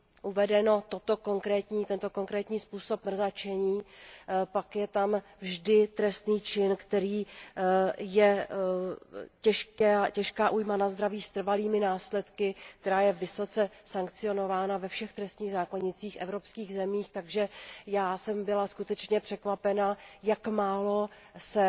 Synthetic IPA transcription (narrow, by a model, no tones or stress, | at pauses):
ʔuvɛdɛno̞t̪o̞t̪o̞ko̞ŋkɾɛːt̪ɲiːt̪ɛnt̪o̞ko̞ŋkɾɛːt̪ɲiːspuːso̞pmr̩zat͡ʃɛɲiːpakjɛt̪am | vʒdɪt̪ɾɛst̪niːt͡ʃɪnkt̪ɛɾiː | jɛ | cɛʃkɛcɛʃkaːʔuːjmanazd̪ɾaviːst̪r̩valiːmɪnaːslɛt̪kɪkt̪ɛɾaːjɛvɪso̞t͡sɛsaŋkt͡sɪo̞no̞vaːnavɛfʃɛxt̪ɾɛst̪ɲiːɣzaːko̞ɲɪt͡siːxʔɛvɾo̞pskiːɣzɛmiːxt̪aɡʒɛjaːsɛmbɪlaskut̪ɛt͡ʃɲɛpr̥ɛkvapɛnajakmaːlo̞ | sɛ